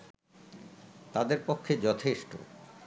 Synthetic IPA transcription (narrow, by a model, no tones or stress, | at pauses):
t̪ad̪eɾpokʰːed͡ʑɔt̪ʰeʃʈo̰